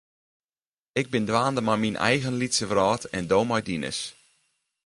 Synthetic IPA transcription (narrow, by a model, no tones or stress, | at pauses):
ɪɡ̚bɪndwaːndəmajminʔɛ̰jɣənlitsəvrɔːtʰɛndoːmɔjdinə̰s